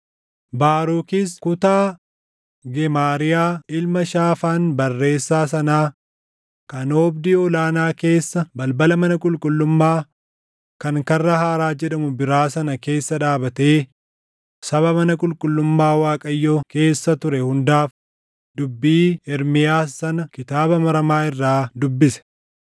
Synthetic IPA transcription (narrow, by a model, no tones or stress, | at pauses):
baːɾuːkɪskʊt̪aː | ɡɛmaːɾɪjaːɪlmɐʃaːfaːnbɐrːe̞ːsːaːs̬ɐnaː | kɐnoːbd̪iːɔlaːnaːke̞ːsːɐbɐlbɐlɐmɐnɐkʼʊlkʼʊlːʊmːaː | kɐŋkɐrːɐhaːɾaːd͡ʒɛᶑɐmʊbɪɾaːsɐnɐke̞ːsːɐᶑaːbɐt̪eː | sɐβɐmɐnɐkʼʊlkʼʊlːʊmːaːwaːkʼɐjːoke̞ːsːɐt̪ʊɾɛhʊnd̪aːf | d̪ʊbːiːɪɾmɪjaːsɐnɐkɪt̪aːbɐmɐɾɐmaːɪrːaːd̪ʊbːɪsɛ̥